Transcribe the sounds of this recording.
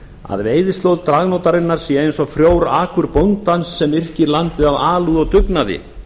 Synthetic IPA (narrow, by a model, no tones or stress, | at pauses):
a̰ðveːjðɪst̪lowðt̪ɾaɣnowt̪aɾɪnːaɾ̥sjɛejnsɔfɾjoːwɾaːkʰʏɾpownt̪ansːɛmɪr̥cɪɾlant̪ɪðavaːluðɔɣt̪ʏknaðɪ̰